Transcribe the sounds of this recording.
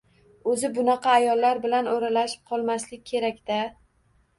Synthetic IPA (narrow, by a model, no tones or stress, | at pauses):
ɵzɪbʊnɑqʰɑːjɒlːaɾbɪlanoɾalaʃɪ̥p̚qʰɒlˠmaslɪkʲːʰe̞ɾakʲd̪̥a